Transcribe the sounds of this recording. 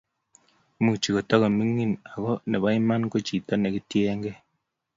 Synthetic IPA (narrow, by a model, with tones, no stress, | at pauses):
mu˦˨t͡ʃi˨ko˨ta˦ka˨mi˦ŋːi˦˨na˨kɔ˦ne˨ba˦i˦ma˦nko˦t͡ʃi˨ta˦ne˨ki˦tjɛ˦ŋɡɛ˦